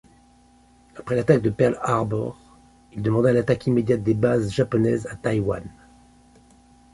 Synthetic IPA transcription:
apχɛlat̪ak̚d̪əpɛʁlaʁbɔ̰ʁ | ild̪əmɑ̃d̪alat̪akʰimed̪jat̪̚d̪ebazʒapɔnɛzat̪ajwan

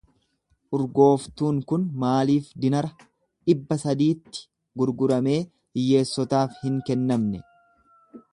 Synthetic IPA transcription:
ʔʊɾɡo̞ːft̪uːŋkʊnmaːliːfd̪ɪnɐɾɐ | ᶑɪbːɐsɐd̪iːt̪ːɪ̥ | ɡʊɾɡʊɾɐme̞ː | ɪjːe̞ːsːɔt̪aːfhɪŋkɛnːɐmnɛ

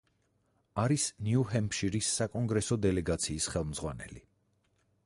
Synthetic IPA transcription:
aɾisniuɦɛmpʃiɾisːakʼɔŋɡɾɛsɔd̪ɛlɛɡat̪sʰiːsχɛlˠmd̪zʁwanɛ̰li

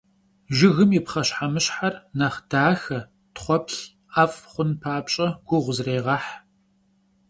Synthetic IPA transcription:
ʒɪɣɨmjɪpχɐɕħamɨɕħarnɐχd̥aːxɐ | tχʷɔpɬ | aːfʼχʷʊnpʰaːpɕʼɐɡ̥ʷʊʁʷʊzreːʁɐħ

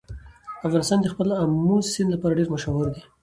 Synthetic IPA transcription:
afɣɑnɪst̪ɑnd̪əxpəlamusɪnlapɑɾaɖeɾmaʃaɦʊɾd̪i

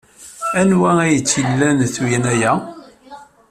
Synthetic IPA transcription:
ænwææjət͡sːilːænθujnæjæ

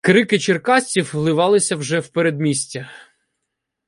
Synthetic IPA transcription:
kɾɪkɪt͡ʃerkɑsʲt͡sʲiwlˠɪʋɑlˠɪsʲɐwʒɛwpeɾed̪mʲisʲtʲɐ

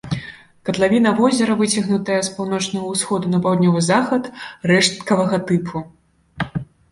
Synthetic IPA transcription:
kɐt̪lˠavʲinɐvɔzʲɛɾɐvɨt͡sʲɐɣnut̪ɐjɐspawnɔt͡ʂnɐɣɐwsxɔd̪unɐpawd̪ʲnʲɔvɨzaxɐt̪rɛʂt̪kɐvɐɣɐt̪ɨpʰu

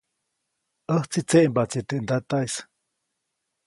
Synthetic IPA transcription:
ʔəht͡sit͡seʔmbat͡sit̪eʔnd̪at̪ajs

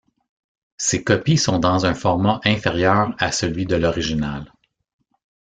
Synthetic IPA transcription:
sekɔpisɔ̃d̪ɑ̃zɛ̃fɔʁmaʔɛ̃feʁjœːʁasəlɥid̪əlɔʁiʒinal

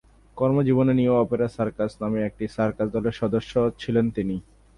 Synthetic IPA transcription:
kɔɾmod͡ʑibonenioɔpeɾasaɾkasnameek̚ʈisaɾkaɾd̪ɔleɾʃɔd̪oʃːot͡ɕʰilent̪ini

